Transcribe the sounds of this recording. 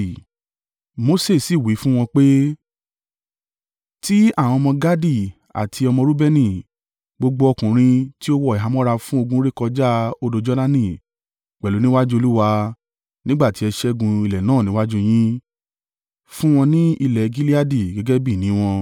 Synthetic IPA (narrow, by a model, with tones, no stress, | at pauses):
mo˦se˦˨si˦˨wi˨˦fũ˦w̃ɔ̃˧k͡pe˦ | ti˦a˦˨w̃ɔ̃˧ɔ˧mɔ̃˧ɡa˦di˦˨ | a̰˨tʰi˧ɔ˧mɔ̃˧ɾu˦bɛ˦nĩ˧˨ | ɡ͡bo˧ɡ͡bo˧ɔ˧kũ˨ɾ̃ĩ˧ti˦o˦wɔ˦˨ɛ˨ɦa˨˧m˦ɔ̃˦ɾa˧fũ˦o˧ɡũ˦ɾe˦kɔ˧d͡ʒa˦o˧do˧d͡ʒɔ˦na˦nĩ˦˨ | k͡pɛ˨lu˨˦nĩ˦wa˦d͡ʒu˦o˧lu˦wa˧ | nĩ˦ɡ͡ba˦˨ti˨˦ɛ˧ʃɛ˦ɡũ˧i˧˨lɛ˨nãː˦˨nĩ˨˦wa˦d͡ʒu˦j̃ĩ˦ | fũ˦w̃ɔ̃˧nĩ˦i˧lɛ˨ɡi˦li˦a˦di˨ɡɛ˨˦ɡɛ˦bi˦˨nĩ˨˦w̃ɔ̃˧